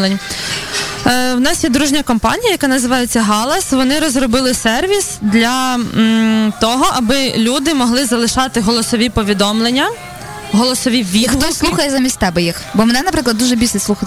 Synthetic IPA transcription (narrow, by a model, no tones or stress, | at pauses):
lˠenʲ | wnɑsjɛd̪ɾuʒnʲɐkɔmpɑ̰nʲijɐjɐkɑnɐzɪʋɑjet͡sʲːɐɦɑlˠɐsʋɔnɪɾɔzɾɔbɪlˠɪsɛrʋʲisd̪lʲɐ | t̪ɔɦɔʔɐbɪlʲud̪ɪmɔɦlˠɪzɐlˠɪʃɑt̪ɪɦɔlˠɔsɔʋʲipɔʋʲid̪ɔmlˠenʲːɐ | ɦɔlˠɔsɔʋʲiʋʲixɔsuuxɐjɛzamʲisʲt̪ʲt̪ɛbɛjixbɔmɛnɛnɐpɾɪklˠɐd̪uʒɛbʲilʲsɛslˠuxɐt̪